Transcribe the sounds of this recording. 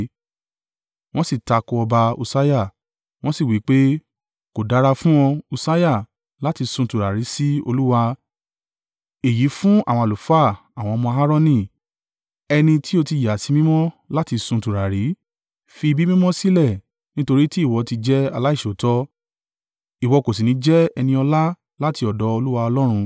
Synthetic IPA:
w̃ɔ̃˦si˦˨ta˧kɔ˧ɔ˧ba˧u˧sa˦ja˦˨ | w̃ɔ̃˦si˦˨wi˨˦k͡pe˦ | ko˨da˨˦ɾa˧fũ˦ɔ̃˧u˧sa˦ja˦˨ | la˦ti˧sũ˧˨tu˨ɾa˨ɾi˨˦si˦o̰˧lu˦wa˧ | e˨ji˨˦fũ˦a̰˦˨w̃ɔ̃˧a˨lu˨˦fa˦˨ | a˨w̃ɔ̃˧mɔ̃˧ɦa˦ɾɔ˦˧nĩ˦˨ | ɛ˧nĩ˧ti˦o˧ti˧˨ja˨si˨˧mĩ˦mɔ̃˦la˦ti˧sũ˧˨tu˨ɾa˨ɾi˨˦ | fi˧i˧bi˦mĩ˦mɔ̃˦si˦lɛ˦˨ | nĩ˦to˧ɾi˦ti˦i˦˨wɔ˨˧ti˧d͡ʒɛ˦a˧la˦i˦˨ʃo˨˦tɔ˦ | i˨wɔ˨˧ko˨s̬i˨nĩ˨˦d͡ʒɛ˦ɛ˧nĩ˧ɔ˧la˦ | la˦ti˧ɔ˨dɔ˨˦o˧lu˦wa˧ɔ˧lɔ˦ɾ̃ũ˧

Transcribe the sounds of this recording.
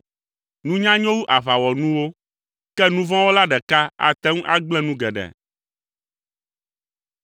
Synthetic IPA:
nũ˦ɲã˦ɲɔ̃˦wu˦ʔa˨βa˨wɔ˨nũ˦wo˦ | kɛ˦nũ˦vɔ̃˦wo˦la˦ɖɛ˨ka˦a̰˨t̪ɛ˦ŋũ˦ʔa˦ɡ͡blɛ˦nũ˦ɡɛ˨ɖɛ̰˨

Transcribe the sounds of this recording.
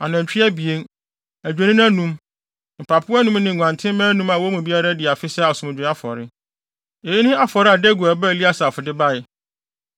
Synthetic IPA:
a˨nã˨t͡ɕᶣi˦æ˦bi˨e˦n | æ˨d͡ʑᶣe˨nĩ˦n˦æ˦nũ˦m | m̩˨pʰa˨pʰʊ˦nũ˦mnɪ̃˨ɡʷã˨ntʰɪ̃˦mɛ̃˦nũ˦mã˨wɔ˦mũ˨bi˦a˦ɾa˦dɪ˨a˨fɪ˦sɛ˦a˨sʊ̃˨m̃˨d͡ʑᶣa˦fɔ̰˨ɾɪ˦ | e˨ji˦nɪ̃˦a˦fɔ˨ɾɪ˦a˨dɛ˦ɡu˨a˨bɛ˦˨li˦a˦sa˨fʊ˨dɪ˦ba˦ɪ˨

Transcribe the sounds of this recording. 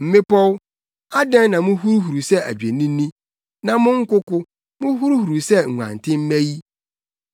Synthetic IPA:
m̩˨mɪ̃˦pɔ˦w | a˦dɛ̃˦n˦nã˨mʊ̃˦ɦu˦ɾu˦ɦu˨ɾu˨sɛ˦æ̰˨d͡ʑᶣe˨nĩ˦nĩ˦ | nã˨mʊ̃˦ŋ̩˦kʊ˦kʊ˦ | mʊ̃˦ɦu˦ɾu˦hu˨ɾu˨sɛ˦ŋ̩˨ŋʷ˨ã̰˨ntʰɪ̃˦m̩˦mɛ̃˦ji˦

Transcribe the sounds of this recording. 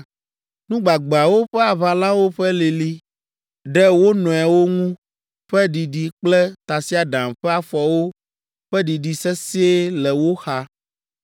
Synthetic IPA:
nũ˦ɡ͡ba˨ɡ͡be˨a˨wo˦ɸɛ˦a˨βa˨lã˦wo˦ɸɛ˦li˨li˦ | ɖɛ˦wo˦nɔ̃˨ɛ˨wo˦ŋũ˦ | ɸɛ˦ɖi˨ɖi˨k͡plɛ˦t̪a˨si˦a˨ɖã˨mɸɛ˦a˨fɔ˨wo˦ | ɸɛ˦ɖi˨ɖi˨sɛ˦si˦e˦lɛ˨wo˦xa˦

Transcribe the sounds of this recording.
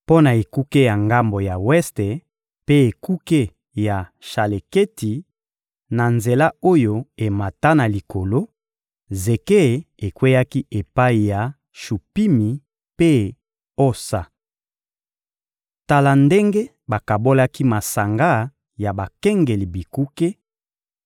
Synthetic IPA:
po˦na˨e˨ku˦ke˦ja˨ŋɡa˦mbo˨ja˨wɛ˦ste˨ | pe˦e˨ku˦ke˦ | ja˨ʃa˨le˨ke˦ti˨ | na˨nze˨la˦o˦jo˦e˨ma˨ta˦na˨li˨ko˨lo˦ | ze˨ke˦˨e˨kwe˦ja˦ki˦ʔe˨pa˦i˨ja˨ | ʃu˨pi˦mi˨ | pe˦ | o˦sa˨ | ta˨la˨nde˦ŋɡe˦ | ba˨ka˨bo˦la˦ki˦ma˨sa˨ŋɡa˦ | ja˨ba˨kɛ˦ŋɡe˨li˨bi˨ku˦ke˦

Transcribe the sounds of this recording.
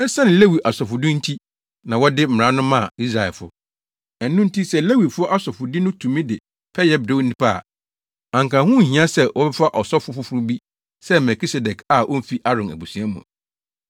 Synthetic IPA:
ɛ˦sã˦nɪ̃˨le˦wi˨ʔa˨sɔ˨fʊ˨dɪ˦n̩˦tʰi˦ | nã˨wɔ˦dɪ˦m̩˦˨ɾã˨˦nʊ̃˦mã˦˨i˦s̬ɾa˨ɛ̰˨fʊ̰˦ | ɛ˨nː˦ʊ̃˦n̩˦tʰi˦sɛ˦˨le˦wi˨fʊ˦ɔ˦ʔa˦sɔ˨fʊ˨dɪ˦nʊ̃˦tʰũ˨mĩ˦dɪ˨ | pʰɛ˦jɛ˦b̚do˦nĩ˦pʰa˦˨ | ã˨ŋkã˨hʊ̃˦˨hĩ˨˦ã˦sɛ˦wʔɔ˦bɛ˦fa˦ʔɔ˨sɔ˦fʊ˦fʊ˦fʊ˦ɾʊ˦bi˦ | sɛ˦mɛ˨kʰi˦sɛ˨dɛ˨kʰa˨ʔɔ˦m̩˦fi˦ʔa˦ɾɔ̃˨næ̰˨bu˨sũ˨a˦mṵ̃˨

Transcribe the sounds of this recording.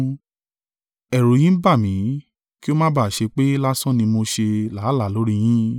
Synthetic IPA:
ɛ˨ɾo˨˦j̃ĩ˦ba˦˨mĩ˨˦ | ki˦o˦mã˦ba˦˨ʃe˧k͡pe˦la˦sɔ̃˦nĩ˧mo˧ʃe˧laː˨˦la˦˨lo˨˦ɾi˧j̃ĩ˦

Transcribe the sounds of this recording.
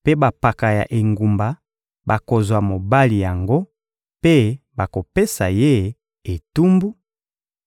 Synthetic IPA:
pe˦ba˨pa˨ka˨ja̰˨ʔe˨ŋɡu˨mba˨ | ba˨ko˨zwa˨mo˨ba˦li˨ja˨ŋɡo˦ | pe˦ba˨ko˨pe˦sa˨je˦ | e˨tu˦mbu˦

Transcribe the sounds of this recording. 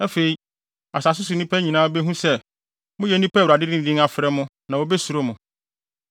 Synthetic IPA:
a˦fe˨i˦ | a˨sa˨s̬ʊ˦sʊ˨nĩ˦pʰɛ˦ɲĩ˨nãː˦bɛ˦ɦũ˦sɛ˦ | mʊ̃˦jɛ˨˦n˦ĩ˦pɛ˦wɾa˨dɪ˦dɪ̃˦˨dĩ˦ŋa˨fɪ˨ɾɛ˦mʊ̃˦nã˨o˨bɛ˦su˨ɾo˦mʊ̃˨

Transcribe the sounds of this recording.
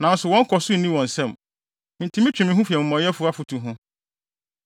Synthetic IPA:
nã˨˦n̩˦sʊ˨wɔ̃˦ŋ̩˦kʰɔ˨sʊ˦˨nĩ˦wɔ̃˨n̩˨sɛ̃˦˨m | n̩˨tʰĩ˦mĩ˦t͡ɕᶣɪ˨mɪ̃˨˦ɦũ˦fu˨ɛ˨m̩˨mɔ̃˨˦ɛ˦fʊ˦a˦fʊ˨tʰu˨ɦʊ̃˦

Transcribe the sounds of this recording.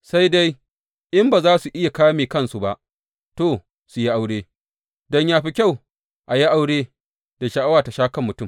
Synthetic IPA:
sa˦jda˦j | ʔɪ˦mbaː˨zaː˦su˨ʔɪ˦ja˨kaː˦miː˨kɐ˦nsu˨ba˨ʔ | toː˨ | su˨ji˦ʔa˦wɽeː˦ | dɔ˦ɲjaː˦ɸi˦kʲa˦˨w | ʔa˨ji˦ʔa˦wɽeː˦ | d̥a˨ʃa˨ʔa˦waː˨ta˨ʃaː˦kɐ˦˨mːʊ˨tʊ˦m

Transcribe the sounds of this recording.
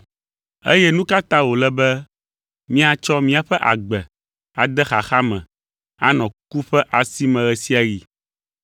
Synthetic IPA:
ḛ˦jɛ˦nũ˦ka˦t̪ã˦wo˨lɛ˦bɛ˦ | mĩ˦a˨t͡ʃɔ˦mĩ˦a˨ɸɛ˦ʔa̰˨ɡ͡bɛ˨ | a˨d̪ɛ˦xa̰˨xa˦mɛ̰̃˨ | a˨nɔ̃˨ku˦ɸɛ˦ʔa˨si˦mɛ̃˨ɣɛ˨si˦a˨˦ji˨

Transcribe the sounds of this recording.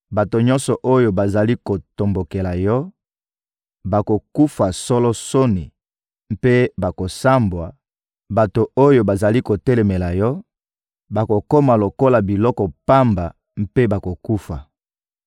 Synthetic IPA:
ba˨to˨ɲɔ̃˦nsɔ˨ʔo˦jo˨ba˨za˨li˦ko˨to˨mbo˨ke˨la˨jɔ˦ | ba˨ko˨ku˦fa˨sɔ˦lɔ˦so˦ni˨ | m̩˦pe˦ba˨ko˨sa˦mbwa˨ | ba˨to˨o˦jo˨ba˨za˨li˦ko˨tɛ˦lɛ˨me˨la˨jɔ˦ | ba˨ko˨ko˦ma˨lo˨ko˦la˨bi˨lɔ˦kɔ˨pa˦mba˨ | m̩˦pe˦ba˨ko˨ku˦fa˨

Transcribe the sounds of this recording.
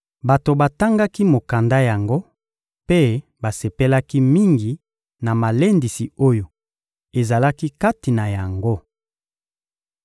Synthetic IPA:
ba˨to˨ba˨ta˦ŋɡa˦ki˦mo˨ka˨nda˦ja˨ŋɡo˦ | pe˦ba˨se˨pe˦la˦ki˦mi˦ŋɡi˨ | na˨ma˨le˦ndi˨si˨o˦jo˨ | e˨za˨la˦ki˦ka˦ti˨na˨ja˨ŋɡo˦

